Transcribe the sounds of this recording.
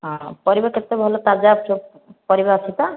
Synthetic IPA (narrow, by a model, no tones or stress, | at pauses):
ɦɔ̃pɔɾibaket̪ebʱɔlɔt̪ad͡ʒabu | pɔɾibaɔsʰit̪a